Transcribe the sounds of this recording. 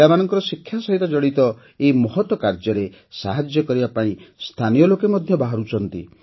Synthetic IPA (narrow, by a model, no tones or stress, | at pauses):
amanɔŋkɔɾɔsikʰːjasɔɦit̪ɔd͡ʒɔɽit̪ɔ | eimɔɦɔt̪wɔkaɾd͡ʒɔɾe | saɦad͡ʒjɔkɔɾibapãĩst̪ʰanijɔlokemɔd̪ʱjɔbaɦaɾut͡ʃʰɔnt̪ḭ